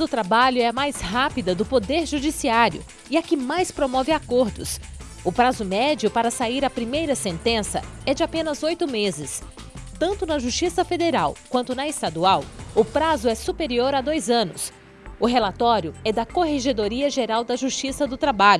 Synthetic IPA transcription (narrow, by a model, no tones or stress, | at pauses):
d̪ʊt̪ɾabaʎʊɛɐmajsɦapid̪ɐd̪ʊpod̪eɾʒud͡ʒisiaɾjʊ̰ | ɪɐkɪmajspɾomɔvɪakoɾd̪ʊ̰s | ʊpɾazʊmɛd͡ʒiʊpaɾɐsaiɾɐpɾimejɾɐsẽnt̪ẽsɐ̰ɛd͡ʒɪapẽnɐzojt̪ʊmezɪs | t̪ɐ̃nt̪ʊnɐʒuʃt͡ʃisɐfed̪eɾawkwɐ̃nt̪ʊnɐest̪ad̪uawʊpɾazʊɛsupeɾioɾɐd̪ojzɐ̃nʊs | ʊɦelat̪ɔɾjʊɛd̪ɐkoɦeʒed̪oɾiɐʒeɾawd̪ɐʒuʃt͡ʃisɐd̪ʊt̪ɾabaʎʊ